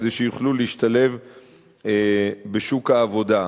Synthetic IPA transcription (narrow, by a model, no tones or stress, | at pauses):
d̪eʃejuχluliiʃtale̞v | be̞ʃukhaːvo̞d̪a